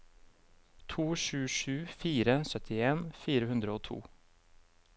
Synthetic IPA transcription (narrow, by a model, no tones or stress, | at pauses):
t̪ʰuːʃʉːʂʉːfiːɾəsœt̪ʰɪeːnfiːɾəhʉnd̪ɾəoːt̪ʰṵː